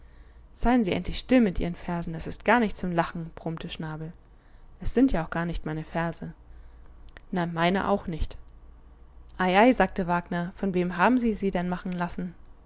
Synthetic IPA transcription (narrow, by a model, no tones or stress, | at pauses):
z̥aɪənziːʔɛ̰ntʰlɪçʃtɪlmɪtʔiːʁənfɛɐzn̩ɛsɪst̚ɡ̥aːɐnɪçt̚t͡sʊmlaχn̩b̥ʁ̥ʊmtʰəʃnaːbl̩ | ʔɛsz̥ɪntjaːʊxɡ̥aːɐnɪçtmaɪnəfɛɐzə | namaɪnə̰ʔa̰ʊxnɪçt | ʔaɪʔaɪzaːk̚təvaːɡnɐfɔnveːmɦaːbm̩ziːziːdɛnmaχn̩lasn̩